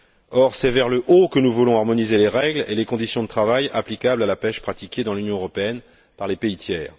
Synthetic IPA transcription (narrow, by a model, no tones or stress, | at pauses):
ɔʁsɛvɛʁləʔokənuvulɔ̃aʁmɔnizeleʁɛɡlḛlekɔ̃d̪isjɔ̃d̪ət̪χavajaplikʲablalapɛʃpχat̪ikʲed̪ɑ̃lynjɔ̃øʁɔpeɛn | paʁlepeit̪ʰjɛːʁ